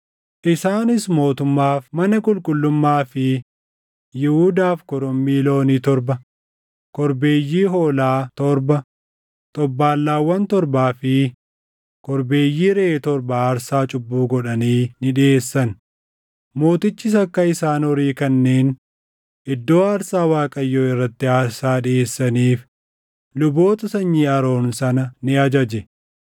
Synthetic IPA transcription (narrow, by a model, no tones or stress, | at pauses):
ʔɪsaːnɪsmo̞ːt̪ʊmːaːfmɐnɐkʼʊlkʼʊlːʊmːaːfɪ | jɪhʊd̪aːfkɔɾɔmːiːlo̞ːniːt̪ɔɾbɐ | kɔɾbe̞ːjːiːɦoːlaːt̪ɔɾbɐ | t̪ʼɔbːaːlːaːwːɐnt̪ɔɾbaːfɪ | kɔɾbeːjːiːɾeːt̪ɔɾbaːɾsaːt͡ʃʼʊbːuːɡɔᶑɐniːnɪᶑɪeːsːɐn | mo̞ːt̪ɪt͡ʃːɪs̬ɐkːɐɪsaːnɔɾiːkɐnːeːn | ʔɪd̪ːo̞ːɐːɾsaːwaːkʼɐjːoːɪrːɐt̪ːɪaːɾsaːɗɪeːsːɐniːf | lʊbo̞ːt̪ɐsɐɲːiːɐɾo̞ːnsɐnɐnɪɐd͡ʒɐd͡ʒɛ